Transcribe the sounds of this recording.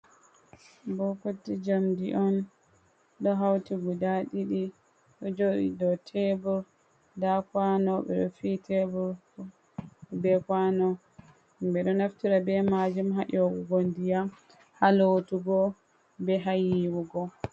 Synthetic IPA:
bɔkutːid͡ʒamdiʔɔn | ɗɔɦawtiɡudaɗiɗi | ɗɔd͡ʒoɗḭdɔtʰɛbuɾ | dakwanɔbɛ̰ɗɔ̰fitʰɛbuɾ | bɛkwanɔ | mbɛɗɔnaftiɾabɛmad͡ʒumɦaʔɔɡuɡondija | halotuɡɔ | bɛɦajiwuɡɔ

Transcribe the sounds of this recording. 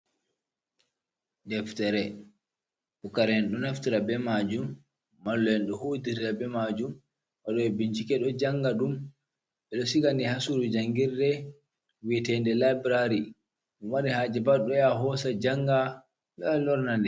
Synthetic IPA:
dɛftɛɾɛ | bukaɾɛnɗɔnaftiɾabɛmad͡ʒumː | alːɛnɗɔhodiɾiɾabɛmad͡ʒum | waɗɔɛbiɲt͡ʃikɛɗɔd͡ʒaŋɡaɗum | ɓɛɗɔsiɡandihasuɾud͡ʒaŋɡiɾdɛ | witɛndɛlabɾaɾi | ɗɔmwaɗɛhad͡ʒɛbaɗɔjaɦɔsad͡ʒaŋɡa | ɗɔlɔɾnandɛ

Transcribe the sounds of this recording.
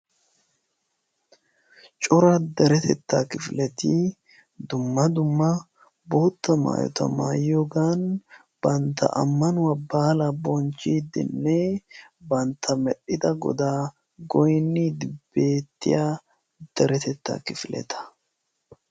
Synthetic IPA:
t͡ʃʼʊɾɐd̪ɛɾɛt̪ɛt̪ːakɪfɪlɛt̪i | d̪ʊmːɐd̪ʊmːɐ | boːt̪ːɐma̰ːjɔ̰t̪ɐ̰ma̰ːjoːɡaːn | b̥ɐnt̪ːɐ̰ʔɐ̰mːɐnʊwɐbaːlabɔnt͡ʃːiːd̪ːɪ̰nːɛbɐnt̪ʰːɐmɛɗɪd̪ɐɡɔ̰d̪aː | ɡɔjnːiːd̪ɪb̥e̞ːt̪ːɪ̰jaː | d̪̥ɛɾɛt̪ɛt̪ːa̰kɪfɪlʔɛ̰t̪ʰɐ̥

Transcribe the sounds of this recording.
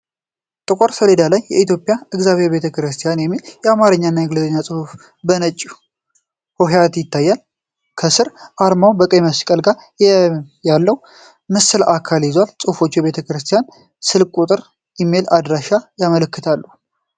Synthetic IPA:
t̪ʼɨkʼoɾsəled̪alajːɛ̰it̪ʰjo̞pʼijaɨɡzaβheɾbe̞t̪ʰəkɾɨst̪ʰijanjɛmːiljɛamaɾɨɲːaɨnːajɛɡləzʼəɲːasʼɨhuf | bənət͡ʃʼːu | hoɦjat̪jɪt̪ʰːajːal | kʰəsɨɾʔaɾmawbəkʼəjməskʼəlɡaɾ | jalːəhu | mɨsɨlakʰaljɪzwalsʼɨhufo̞t͡ʃːjɛβe̞t̪ʰəkɾɨst̪ʰijan | sɨlkʼut̪ʼɨɾ | jɛmːelad̪ɾaʃajamələkːɨt̪ʰalːu

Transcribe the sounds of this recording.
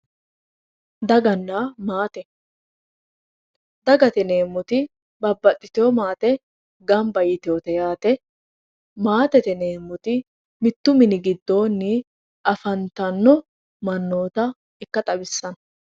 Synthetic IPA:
d̪ɐɡɐnːamaːt̪ɛ | d̪ɐɡɐt̪ɛneːmːʊt̪ɪ | bɐbːɐt̪ʼːɪt̪ɪomaːt̪ɛ | ɡɐmbɐjɪt̪ɪoɔt̪ɛjaːt̪ɛ | maːt̪ɛt̪ɛneːmːʊt̪ɪ | mɪt̪ːʊmɪnɪɡɪd̪ːo̞ːnːɪ | ʔɐfɐnt̪ɐnːɔ | mɐnːo̞ːt̪ɐ | ɪkːɐt̪ʼɐbɪsːɐn

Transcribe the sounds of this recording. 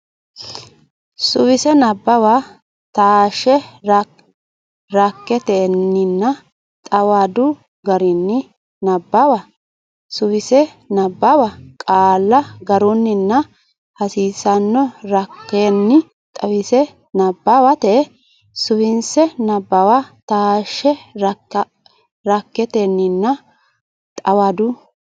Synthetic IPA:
sʊwɪsɛnɐbːɐwa | t̪aːʃɛɾ | ɾɐkːɛt̪eːnːɪnːɐ | t̪ʼɐwad̪ʊ | ɡɐɾɪnːɪ | nɐbːɐwa | sʊwɪsɛ | nɐbːɐwɐkʼaːlːɐɡɐɾʊnːɪnːɐ | hɐsiːsɐnːɔɾɐkːenːɪ | t̪ʼɐwɪsɛ | nɐbːawɐt̪ɛ | sʊwɪnsɛnɐbːɐwat̪aːʃːɛɾ | ɾɐkːɛt̪enːɪnːɐ | t̪ʼɐwɐd̪ʊ

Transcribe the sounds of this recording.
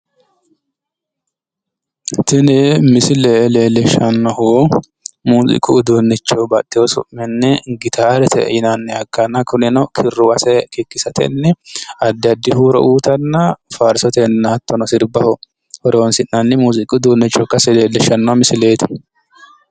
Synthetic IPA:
t̪ɪnɛmɪsɪlɛleːlɛʃɐnːɔhoː | muːzɪ̰kʼʊd̪oːnːɛt͡ʃːɔbɐt̪ːɪwɔsʊ̰ʔmɛnːɛɡɪt̪ʰaːɾɛt̪ʰɛ̰ʔɪnɐnːɛɐkːɐnɐkʊnɪnɐkʰɪrːʊwɐsɛkɪkːɪsɐt̪ʰɛ̰nːɛɐd̪ːɪɐd̪ːɪhuːɾɔ̰ʔuːt̪ɐnːɐfaɾsɔt̪ɛnːaːt̪ːɔnɔsɪɾbɐhɔ | hɔɾɛwɔnsɪnːɐnːɪmuːzɪkʼʊd̪oːnːɛt͡ʃːɔkːɐsɛleːlːɛʃːɐnːɔmɪsɪleːt̪ɛ̥

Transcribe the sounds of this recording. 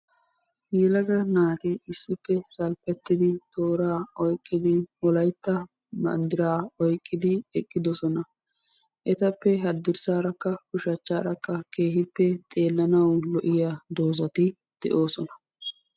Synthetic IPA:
jɛlɐɡɐnaːt̪ɪɪsːɪpːɛsɐlpɛt̪ːɪd̪ɪt̪o̞ːɾaːɔjkʼːɪd̪ɪɔlɐjt̪ːɐ | mɐ̰nd̪ɪɾaːɔjkʼːɪd̪ɪɛkʼːɪd̪ɔsɔnɐ | ʔɛt̪ɐpːɛɦɐd̪ːɪɾsaːɾɐkːɐkʊʃɐt͡ʃːaːɾɐkːɐkeːhɪpːɛt̪ʼe̞ːlːɐnɐwlɔʔɪjad̪o̞ːzɐt̪ɪ | d̪̥ɛ̰ʔo̞ːsɔnɐ̥

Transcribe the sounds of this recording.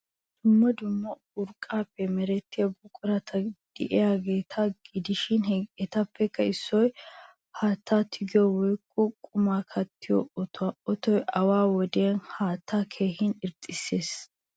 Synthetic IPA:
d̪̥ʊmːɐd̪ʊmːɐ | ʊɾkʼːaːpːɛmɛɾɛt̪ːɪjɐbʊkʼʊɾɐt̪ʰɐd̪̥ɛ̰ʔɪjaːɡe̞ːt̪ʰɐɡɪd̪ɪʃɪnɛt̪ɐpːɛkːɐɪsːɔj | haːt̪ʰːaːt̪ʰɪɡɪjɔwɔjkːɔkʼʊmaːkʰɐt̪ːɪjɔ̰ɔt̪ʊaʔɔt̪ɔjʔɐwaːwɔd̪eɐnhaːt̪ːaːkʰe̞ːhɪnɪɾt̪ʼːɪsːe̞ːs

